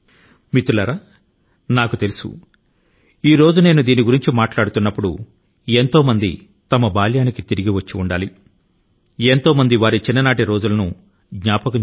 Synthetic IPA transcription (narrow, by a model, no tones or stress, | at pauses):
mit̪ːulɐɾaː | naːkut̪elusṵ | iːɾo̞ːd͡ʒune̞ːnud̪iːniɡuɾiɲt͡ʃimaːʈlaːɽut̪unːɐpːuɽṵ | e̞nt̪o̞ːmɐnd̪ḭ | t̪ɐmɐbaːljaːnikit̪iɾiɡiʋɐt͡ʃːiuɳɖaːli | e̞nt̪o̞ːmɐnd̪iʋaːɾit͡ʃinːɐnaːʈiɾo̞ːd͡ʒulɐnu | ɡɲaːpɐkɐ